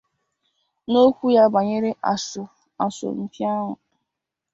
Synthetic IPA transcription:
no˦kʷu˦ja˦ba˨ɲe˦ɾe˦ʔa˨sʊ˨ | a˨sʊ̰˨n̩˦ti˦a˦ɦʊ̰˨

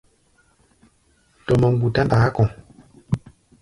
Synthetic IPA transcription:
tɔ˨mə˨ŋ˦ɡu˨ta˦nda˨˦kɔ̃˨

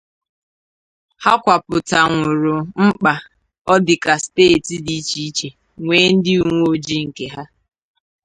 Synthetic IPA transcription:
ha˦kʷa˨pʊ˨ta˨ŋʷʊ˨ɾʊ˨ŋ͡m̩˦k͡pa˨ | ɔ˦dɪ˨ka˨steː˦˨ti˨di˦t͡ʃi˦i˦t͡ʃe˨ | ŋʷeː˦n̩˦dɪ˦u˦ŋʷ˦o˨d͡ʒi˦ŋ̩˨ke˨ɦa˦

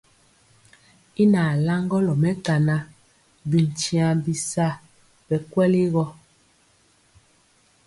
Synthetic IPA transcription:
i˦na˨la˦ŋɡɔ˦lɔ˨mɛ˦ta˨na˦ | bi˨n˨t͡ʃi˨a˨bi˨sa˦˨ | bɛ˨kwɛ˦li˦ɣɔ˦

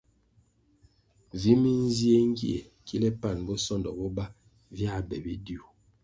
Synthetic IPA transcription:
vi˨˦mi˦n̩˦zi˦e˦ŋ̩˦ɡi˦ḛ˨ | ki˦lɛ˦pa˦˨nbɔ˦sɔ˦ndɔ̰˨bɔ˦ba˦ | vja˦˨bɛ˨be˦di˦u˨

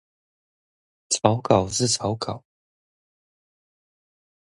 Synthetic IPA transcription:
t͡sʰɑ˨˧˦ʊkɑ˨˩ʊʂɻ̩˥˨t͡sʰɑ˨˦ʊkɑ˨˩˦ʊ

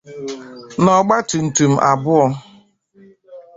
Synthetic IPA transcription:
nɔ˨ɡ͡ba˦tu˨n̩˨tu˨m̩˦˨ʔa˨bʊ˦ɔ˧

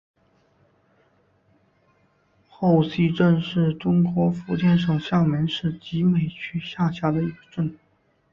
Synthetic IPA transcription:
xo˥˩ʊsi˥ʈ͡ʂə˥˧nʂɻ̩˥˩ʈ͡ʂʊ˥ŋkwɔ˧˥fu˧˥t͡ɕjɛ˥˩nʂ̬o˨˩ʊɕjɑ˥˩ŋmi˧˥nʂɻ̩˥˩t͡ɕi˧˥me˨˩ɪt͡ɕʰy˥ɕja˥˩ɕja˧˥d̪ə˧i˧˥ɡə˧ʈ͡ʂə˥˩n

